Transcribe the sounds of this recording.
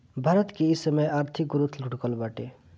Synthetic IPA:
bʱaɾət̪keisəməjaɾt̪ʰik̚ɡuɾut̪ʰluɽkəlbaʈe

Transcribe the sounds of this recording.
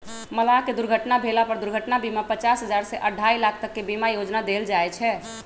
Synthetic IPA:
məlaked̪uɾɡʱəʈnabʱelapəɾd̪uɾɡʱəʈnabimapət͡ʃasɦəd͡ʒaɾsɛʔəɖʱailakʰt̪əkːebimajod͡ʒnad̪eld͡ʒaɛt͡ʃʰɛ

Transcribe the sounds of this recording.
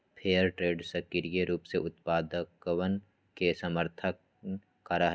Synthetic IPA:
pʰeːəɾʈɾeːɖsɐkiɾijeɾuːpseʊt̪paːd̪əkʋən | kesɐməɾt̪ʰək̚ː | ɐɾaɦ

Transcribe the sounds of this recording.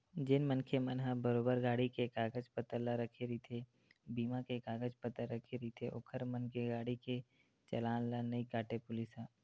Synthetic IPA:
d͡ʒɪnmənkʰemənɦãbəɾoːbəɾɡaːɽikekaːɡəd͡ʒpət̪əɾlaɾəkʰeɾit̪ʰe | biːmãkekaːɡəd͡ʒpət̪əɾəkʰeɾit̪ʰeʔʊ̰ːkʰəɾmənkeɡaːɽike | t͡ʃɐlaːnlanɐikaːʈepʊlɪsãː

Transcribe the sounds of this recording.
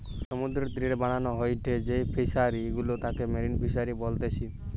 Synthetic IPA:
sɔmud̪ɾɔt̪ɾiɾebaɽ̃anɔɦɔjʈ̪ʰed͡ʒejpʰisaɾiɡulot̪ãkemeɾinpʰisaɾibɔlt̪et͡ʃʰi

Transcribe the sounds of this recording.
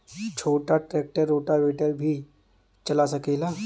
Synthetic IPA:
t͡ʃʰoːʈaʈɾeːk̚ʈəɾːoːʈaʋeːʈəlbʱi | t͡ʃɐlasɐkela

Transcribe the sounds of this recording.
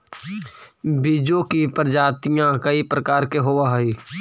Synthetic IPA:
bid͡ʒokipəɾd͡ʒaːt̪ijãkəipɾəkaːɾkeɦoʋaɦiː

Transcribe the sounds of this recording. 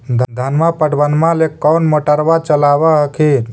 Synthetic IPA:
d̪ʱd̪ʱənmapəɽ̤ʋənmãlekɔnmoʈəɾbat͡ʃəlaʋaɦəkʰen

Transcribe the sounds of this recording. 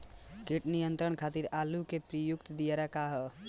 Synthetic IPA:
kiʈnijənt̪ɾəɳkʰat̪iɾalukepɾəjukt̪d̪ijeɾakaɦ

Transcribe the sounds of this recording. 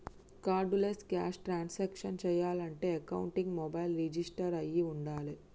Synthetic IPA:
kaːɾɖuleska̰ːʂʈɾaːnsɛːkʂɐnt͡ʃɛːjaːlɐɳʈe̞ːɐkɐwuɳʈiŋɡmɔːbɐjlɾid͡ʒisʈɐɾɐjiuɳɖaːli

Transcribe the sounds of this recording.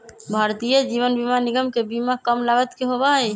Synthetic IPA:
bʱaɾt̪ijəd͡ʒiβənbimaniɡəmkebimakəmlaɡət̪keɦobaɦəj

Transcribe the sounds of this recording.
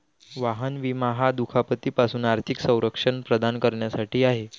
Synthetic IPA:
ʋaɦənʋimaɦad̪ukʰapət̪iːpasuːnaɾt̪ʰiksə̃w̃ɾəkʂəɳpɾəd̪ankəɾɳjasaʈiːaɦe

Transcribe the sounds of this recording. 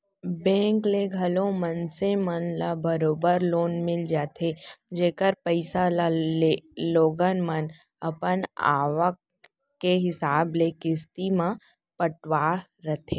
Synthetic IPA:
bɛ̃ːŋkleɡʱɐlõmənsemənlabəɾoːbəɾloːnmɪld͡ʒaːt̪ʰed͡ʒeːkəɾpəɪsalaleloːɡənmən | ɐpəna̰ːʋək̚ː | eɦɪsaːblekɪst̪imã | pəʈʋaɾɐt̪ʰeː

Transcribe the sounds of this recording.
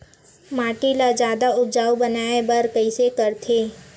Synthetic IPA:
maːʈilad͡ʒjaːd̪aʊd͡ʒaːubənaːebəɾkəisekəɾt̪ʰeː

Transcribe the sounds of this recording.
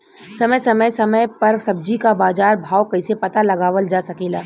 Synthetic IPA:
sɐməjsɐməjsɐməjpɐɾsɐb̚d͡ʒikabaːzaːɾbʱaːwkɐɪsepɐt̪alɐɡaːʋəld͡ʒaːsɐkiːlaː

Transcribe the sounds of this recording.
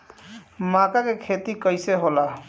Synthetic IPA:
makakekʰet̪ikəjseɦola

